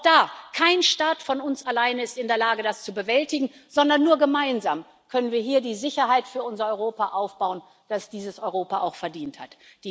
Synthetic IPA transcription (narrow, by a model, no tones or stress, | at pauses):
d̥aːkʰaɪnʃtaːtfɔnʊnsalaɪnəɪstɪndeːɐlaːɡədast͡subəvɛltɪɡŋ̩z̥ɔndɐnːuːɐɡəmaɪnzaːm | kʰœnənviːɐɦiːɐdiːzɪçɐɦaɪtfyːɐʔʊnzɐɔʏʁoːpaʔaʊfb̥aʊən | d̥asd̥iːzəsʔɔʏʁoːpaʔaʊxfɛɐdiːnthatd̥iː